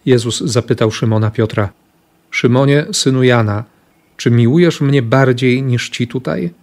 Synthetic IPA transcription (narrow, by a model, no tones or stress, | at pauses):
jɛzuzzapɘt̪awʂɘmɔnapʲjɔt̪ɾa | ʂɘmɔɲɛsɘnujana | t͡ʂɘmʲiwujɛʂmɲɛbaɾd͡ʑejɲiʂt͡ɕit̪ut̪a̰j